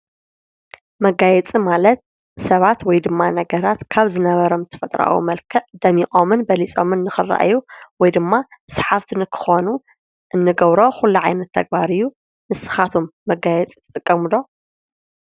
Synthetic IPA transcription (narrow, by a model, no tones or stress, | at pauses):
mɐɡajɛt͡sʼimalɐt̪̚ | sɐβat̪wɔjd̪ɨmːanɐɡɐɾat̪kʰaβzɨnɐβɐɾo̞mt̪ʰɐ̥fɐt̪ʼɾa̰wṵmɐlkʰɐʔd̪ɐmiχʼomɨnbɐlit͡sʼo̞̰mɨnːɨxɨrːa̰ʔjuwɔjd̪ɨmːasħaft̪ʰinɨkʰɨ̥xo̞nu | ʔɨnːɨɡɐβɾo̞xulːuʕajnɐt̪ʰːɐɡ̚baɾɨjːu | mɨsɨ̥xat̪ʰomːɐɡajɛt͡sʼit̪ʰɨ̥t̪ʼɨkʼːɐmulo̞